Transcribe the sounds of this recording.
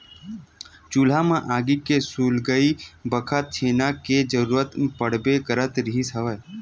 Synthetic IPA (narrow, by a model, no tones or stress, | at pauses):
t͡ʃuːl̤amãʔaːɡikesuːlɡəibəkʰət̪̚t͡ʃʰeːnaked͡ʒəɾuːɾət̪pəɽ̤bekəɾət̪ɾɪɦisəʋə